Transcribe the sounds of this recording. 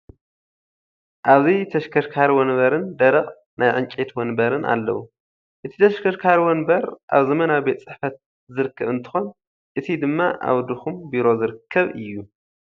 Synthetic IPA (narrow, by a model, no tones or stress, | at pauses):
ʔaβzit̪ʰɐʃkʰɐɾkʰaɾwɔnβɐɾɨnd̪ɐɾɐχʼ | najʕɨnt͡ʃʼet̪wɔnbɐɾɨnʔa̰lːɐ̰wu | ʔɨt̪ʰi̥t̪ʰɐʃkʰɐɾkʰaɾwɔnbɐɾʔa̰βzɐmɐnabe̞t̪ʼt͡sʼɨħfɐt̪̚ | zɨɾɨkʰːɐβɨnt̪ʰɨ̥xo̞n | ʔɨt̪ʰid̪ɨmːaʔa̰wd̪uxumbiɾo̞zɨɾɨkʰːɐβɨjːu